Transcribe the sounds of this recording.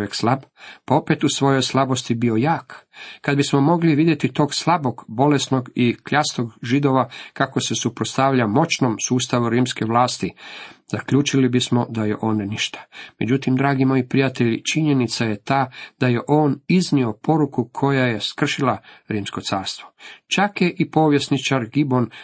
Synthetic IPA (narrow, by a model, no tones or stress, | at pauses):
jekslˠabpao̞pet̪usʋo̞jo̞jslˠabo̞st̪ibio̞jaːkkːad̪bismo̞mo̞ɡliʋid̪je̞t̪it̪o̞ːɡslˠabo̞ɡbo̞lesnoɡikʎast̪o̞ɡʒid̪o̞ʋakako̞se̞supɾotst̪aʋʎamo̞t͡ɕnomsuːst̪aʋuɾiːmske̞ʋlˠaːst̪iz̥akʎuːt͡ʃilibismo̞d̪ajeʔo̞nniʃt̪ḁme̞d͡ʑut̪imd̪ɾaːɡimo̞ːjipɾijat̪e̞ʎt͡ʃiɲe̞nit̪saje̞t̪aːd̪̥aje̞ʔo̞ːniznio̞po̞ɾukukʰo̞jaje̞skr̩ʃilaɾiːmsko̞t̪saːɾst̪ʋo̞t͡ʃakjeʔipo̞ʋjest̪nit͡ʃaɾɡibo̞n